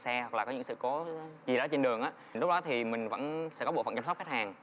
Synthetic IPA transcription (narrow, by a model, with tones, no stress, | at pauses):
sɛ˧wk̚laː˨˩kɔ˨˦ɲɨ̰˧˥ŋsɨ̰˧˨ko˨˦t͡ɕi˨˩ɗɔ˨˦t͡ɕe˧nɗɨ˨˩əŋʔaː˨˦ | nlk͡p̚ɗɔ˨˦t̪ʰi˨˩mï˨˩ŋ̟və̰˧˥nsɛ̰˧˥kɔ˦ɓo̰˧˨fə̰˧˨nt͡ɕa˧msə˦˥k͡p̚xe˦˥t̚haː˨˩ŋ